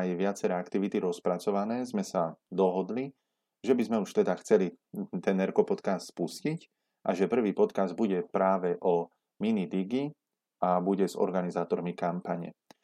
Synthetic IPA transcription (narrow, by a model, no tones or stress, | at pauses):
ajʋɪat͡sɛɾɛːakt̪iʋit̪iɾɔspɾat͡sɔʋanɛːzmɛsad̪ɔɦɔd̪li | ʒɛbizmɛuʃt̪ɛd̪axt͡sɛlit̪ɛnːɛɾkɔpɔt̪kast̪spuscic | ʔa̰ʒɛpr̩ʋiːpɔt̪kazd̪̚buɟɛpɾaːʋɛʔɔ | minid̪iɡi | abuɟɛzɔ̰ɾɡanizaːt̪ɔɾmikampaɲɛ̰